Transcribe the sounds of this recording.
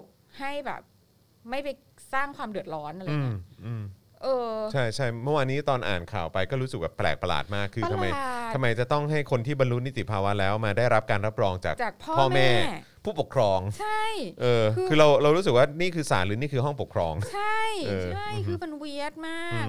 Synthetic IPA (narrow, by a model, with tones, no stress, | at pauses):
ha˥˩jbɛ̰ː˨˩p̚ | ma˥˩jpa˧j | saː˥˩ŋkʰwaː˧mdɯ˨˩ət̪̚ɾɔː˦˥nʔa˧ɾaɯjːi˦˥ʔɯː˧m | ʔɤː˧t͡ɕʰa˥˩jt͡ɕʰa˥˩jmɯ˥˩waː˧nːiː˦˥t̪ɔː˧nʔa̰ː˨˩nkʰa̰ː˨˩wpa˧jkɔː˥˩ɾuː˦˥sɯ˨˩k̚bɛ̰ː˨˩pːlɛ̰ː˨˩k̚pa˧la̰ː˨˩t̪̚maː˥˩kʰːɯː˧ama˧jt̪ʰa˧ma˧jt͡ɕa˨˩t̪ɔ˥˩ŋɦa˥˩jkʰo˧nt̪ʰiː˥˩ba˧nɾu˦˥ni˦˥t̪i˨˩pʰaː˧wa˦˥lɛː˦˥wmaː˧daː˥˩jɾa˦˥p̚kaː˧nɾa˦˥p̚ɾɔː˧ŋt͡ɕa̰ː˨˩kt͡ɕaː˨˩k̚pʰɔː˥ɔː˧˥˩mɛː˥˩˥ | pʰuː˥˩po˨˩kʰɾɔː˧ŋt͡ɕʰa˥˩jʔʔɤː˧kʰɯː˧ɾa˧wɾa˧wɾuː˦˥sɯ˨k̚waː˥˩niː˥˩kʰɯː˧sa̰ː˩˦nɾɯː˩˦niː˥˩kʰɯː˧ɦɔ˥˩ŋpo˨˩kʰɾɔː˧ŋt͡ɕʰa˥˩jɤː˧a˥˩jkʰɯː˧ma˧nwi˦˥ət̪̚maː˥˩˧k̚